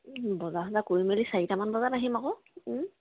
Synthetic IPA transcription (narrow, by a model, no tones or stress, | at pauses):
bɔzaɦɔzakoɹimelisaitamanbɔzataɦimakɔ